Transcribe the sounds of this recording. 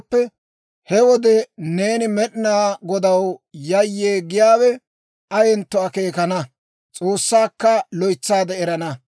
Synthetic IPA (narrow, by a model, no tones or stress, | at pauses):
pːɛ | hɛwɔd̪ɛneːnɪmɛɗɪnaːɡɔd̪ɐwjɐjːeːɡɪjaːwɛ | ɐjɛnt̪ːɔɐke̞ːkɐnɐ | t͡sʼoːsːaːkːɐlɔjt͡sːaːd̪ɛɛɾɐnɐ